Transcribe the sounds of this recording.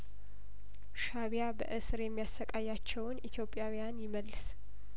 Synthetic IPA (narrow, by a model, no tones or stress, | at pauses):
ʃaβijabə̰ʔɨsɨɾjɛmːijasəkʼajːat͡ʃːɛwnʔit̪ʰjo̞pʼːjawijanjɪməlːɨs